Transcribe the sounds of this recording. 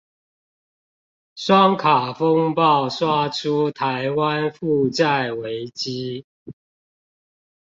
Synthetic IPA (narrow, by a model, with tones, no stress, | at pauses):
ʂwɑ˦˥ŋkʰa˨˩fo˦ŋpɑ˥˨ʊswa˥˩ʈ͡ʂʰu˦˥t̪ʰa˨˦ɪwa˦nfu˥˨˧t͡sa˥˨ɪwe˨˦ɪt͡ɕi˦